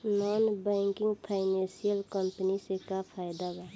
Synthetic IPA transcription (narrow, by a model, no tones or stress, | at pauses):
nɔːnbɛ̃ːŋkɪ̃ŋɡpʰaːɪnẽnsijəlkəmpənisekapʰaːɪd̪aɡa